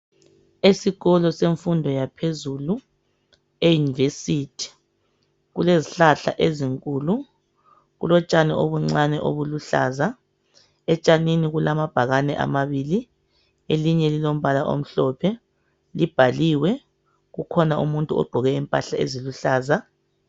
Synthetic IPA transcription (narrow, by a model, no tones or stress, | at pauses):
esiɣɔlɔseɱfundʱɔjapʰezulu | ejunivesitʰi̥ | ɣuleziɬaɬa̰ʔeziŋkʼuːlu | ɣṵlɔt͡ʃʼanɛʔoβuŋ͡ǀanɛʔo̰βuluɬa̰ːza | ɛt͡ʃʼaniniɣulamab̥ʱaɣanɛʔa̰maβili | eliɲɛlilom̩βalaʔo̰m̩ɬɔpʰɛ | lib̥ʱaliwɛ | ɣukʰɔnaʔṵmuntʼuɔ̰ɡ͡ǃʱɔɣɛimpʼaɬaḛziluɬaːza